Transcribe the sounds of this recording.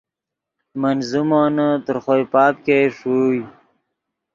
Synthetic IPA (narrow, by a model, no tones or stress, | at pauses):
mənzumoːnət̪əɾχojpɑːp̚keʂuj